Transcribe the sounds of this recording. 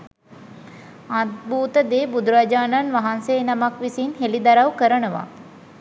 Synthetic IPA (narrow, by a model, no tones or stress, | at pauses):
ad̪̚buːt̪əd̪eːbud̪uɾad͡ʒaːnanʋaɦanseːnamakʋisinɦelid̪aɾawkəɾənəʋa̰